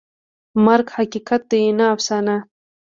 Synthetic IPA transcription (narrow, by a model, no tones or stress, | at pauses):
maɾɡhakikat̪̚d̪ejenaːfsana